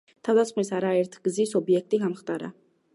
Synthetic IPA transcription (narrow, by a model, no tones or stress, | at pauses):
t̪ʰavd̪at̪sχmisaɾaɛɾt̪ʰɡ̥zisɔbiɛk̚t̪ʼiɡamχt̪ʼaɾa̰